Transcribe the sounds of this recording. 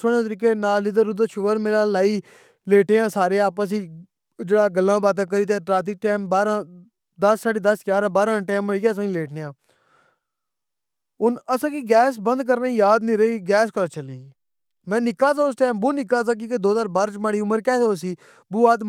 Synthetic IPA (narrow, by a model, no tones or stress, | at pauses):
soɽ̃ẽːt̪̬əɾiːkeːnaːlid̪əɾʊd̪əːʃʰʊʋəɾmeːɾaːlaːiː | leːʈeːãːsaːɾeːaːpəs̬iː | d͡ʒeːɽaːɡəlːãːbaːt̪̬ãːk̬əɾiːt̪̬ẽːʈɾaːt̪̬iːʈɛːmbaːɾãː | d̪əsːaːɽiːd̪əskaːɾãːbaːɾãːʈɛːməiːkesãːileːʈneːãː | ʊnəsãːkiːɡɛːsbənd̪̚k̬əɾnaːĩjaːd̪nĩːɾəiːɡɛːskəɾaːt͡ʃəliː | mɛ̃ːnɪkaːsaːʊs̬ʈɛːmboːnɪkaːzãːk̬iked̪oːzaːɾbaːɾt͡ʃmaːɽiːʊməɾkɛːtoːsiː | buːaːd̪